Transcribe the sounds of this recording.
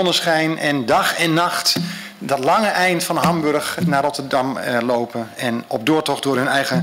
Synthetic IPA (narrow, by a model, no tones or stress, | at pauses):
ɔnəsχɛjnʔɛndɑxɛnːɑxt | dɔtlɑŋəʔɛjntfɑnəɦɑmbørxnaːɾɔtəɹdɑmlowpənɛnɔb̚dʊːɹtɔχdʊːrɦɵnɛjɣə